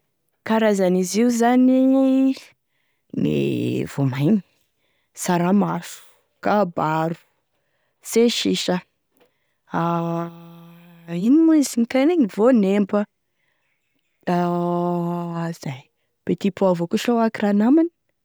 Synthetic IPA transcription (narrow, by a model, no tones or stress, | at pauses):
kaɾazaniziuzani | nḭv̥omajni̥ | saɾamafu̥ | kabaɾu̥ | seʃiʃə | a | inimuzinikajneɲivonembə | a | z̥aj | b̥et̪ipuavokuʃowakiɾanamani̥